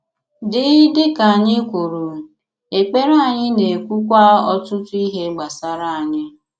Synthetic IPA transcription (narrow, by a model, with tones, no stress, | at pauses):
dɪ˨˦dɪ˦ka˨a˨ɲɪ˦kʷu˨ɾu˨ | e˨k͡pe˦ɾa˨ɲɪ˦ne˨kʷu˦kʷa˦ɔ˦tʊ˦tʊ˦i˦ɦe˦ɡ͡ba˨sa˦ɾa˦˨a˨ɲɪ˦